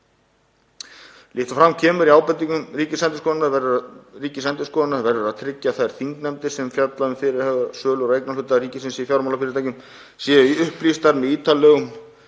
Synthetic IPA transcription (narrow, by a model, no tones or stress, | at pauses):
lɪht̪afɾamːcʰɛːmʏɾiaːwpɛt̪ːiŋkʏmriːcɪsɛnt̪ɪskɔðɪnavɛɾðʏɾariːcɪsɛnt̪ɪ̥skɔːðnavɛɾðʏɾaðt̪ʰɾɪcːaθaðɛɾ̥θiŋknɛmt̪ɪ̥sɛmfjat̪laʏmfɪɾɪɾhɛːɣasœːlɾejknalʏt̪ːariːcɪsɪnsɪifjawɾmawlafɪɾɪɾt̪ajcʏm | siːiʏhplist̪aɾnɪiːt̪ʰalɛːɣʏm